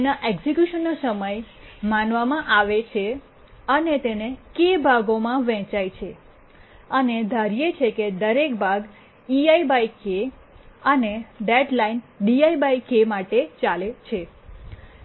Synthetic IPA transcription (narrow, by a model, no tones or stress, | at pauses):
naʔeɡzikjuʃənːasəməj | manʋamãʔaʋet͡ʃʰe | ənet̪enekebʱaɡomãʋɛ̃t͡ʃajt͡ʃʰe | əned̪ʱaɾijet͡ʃʰeked̪əɾekbaɡ | iaibajke | əneɖeʈlainɖiaibaikemaʈet͡ʃalet͡ʃʰe